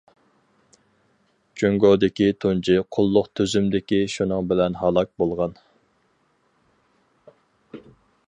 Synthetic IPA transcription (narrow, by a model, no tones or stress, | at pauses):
t͡ʃøŋɡod̪ɪkʲit̪ʰont͡ʃʰɪqʰʊlˠːʊqt̪ʰøzymd̪ɪkʲiʃunɨŋbɪlɛnɦɑlˠɑk̚bolˠʁɑn